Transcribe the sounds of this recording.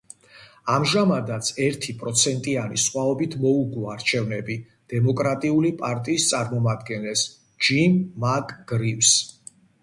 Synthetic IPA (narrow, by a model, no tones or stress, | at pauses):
amʒamad̪at̪sʰɛɾt̪ʰipʼɾɔt̪sʰɛnt̪ʼianḭsχwaɔbit̪ʰmɔuɡuaɾt͡ʃʰɛvnɛbi | d̪̥ɛmɔkʼɾat̪ʼiulipʼaɾt̪ʼiːst̪sʼaɾmɔmad̪ɡɛnlɛs | d͡ʒimmakʼɡ̥ɾifs